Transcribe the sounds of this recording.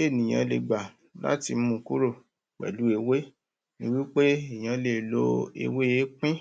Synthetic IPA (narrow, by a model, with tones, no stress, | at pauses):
e˦˨nĩ˨j̃ã̰˧le˨ɡ͡ba˨ | la̰˦ti˧m̩˦mũ˧ku˦ɾo˦˨ | k͡pɛ̰˨lu˨˦e˧we˦ | nĩ˦wi˦k͡pe˦e˨j̃ã˨˧le˨lo˧ḛ˧we˦e˨˦k͡pĩ˦